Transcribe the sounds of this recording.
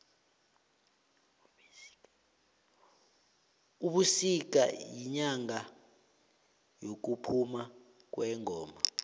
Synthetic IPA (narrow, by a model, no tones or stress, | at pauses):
uɓusik̬a̰jiɲaŋa | jok̬upʰuma | k̬wɛːŋɔːma